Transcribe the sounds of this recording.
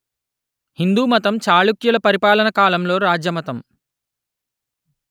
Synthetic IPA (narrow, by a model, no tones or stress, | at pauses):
hind̪uːmɐt̪ɐmt͡ʃaːɭukjulɐpɐɾipaːlɐnɐkaːlɐmlo̞ːɾaːd͡ʒjɐmɐt̪ɐm